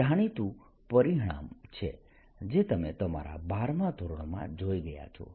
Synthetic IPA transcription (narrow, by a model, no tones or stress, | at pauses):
aɽ̃it̪ũ | pəɾiɦɽ̃a̰mt͡ʃʰḛ | d͡ʒet̪əmḛt̪əma̰ɾa̰baɾmãt̪oɾɳ̃mã̰d͡ʒojɡəja̰t͡ʃʰɔ̰